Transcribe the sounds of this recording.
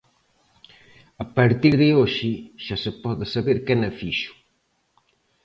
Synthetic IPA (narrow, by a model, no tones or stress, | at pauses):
ɐpaɾt̪iɾðɪoʃɪʃasɪpɔðɪsaβeɾkɛnɐfiʃu̥